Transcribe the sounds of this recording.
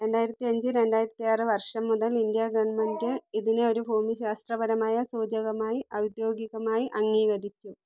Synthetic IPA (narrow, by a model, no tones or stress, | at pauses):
ɾe̞ɳɖaːjiɾɐt̪ːiɐɲd͡ʑɨɾe̞ɳɖaːjiɾɐt̪ːiaːrɨʋɐrʂɐmːuðɐlindjɐɡɐʋɐnɳmendɨiðineo̞ɾuɦoːmiɕaːst̪rɐbɐɾɐmaːjɐsuːd͡ʑɐɣɐmaːjiʔɐwd̪jo̞ːɡiɣɐmaːjiʔɐŋːiːɣɐɾit͡ɕːu